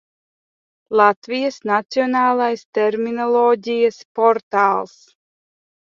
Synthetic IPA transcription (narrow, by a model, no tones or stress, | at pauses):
lˠat̪vijəsnat̪sionaːlˠajst̪ɛɾminɔlˠɔːɟʲijaspɔɾt̪aːlˠs